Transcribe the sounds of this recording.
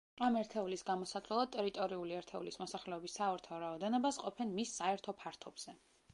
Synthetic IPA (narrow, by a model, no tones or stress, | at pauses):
amɛɾt̪ʰɛulisɡamɔsat̪lɛlˠad̪̚t̪ʼɛɾit̪ʼɔɾiuliɛɾt̪ʰɛulismɔsaχlɛɔbisːaɔɾt̪ʰaɔɾaɔd̪ɛnɔbasqʼɔpʰɛnmisːaɛɾt̪ʰɔpʰaɾt̪ʰɔbz̥ɛ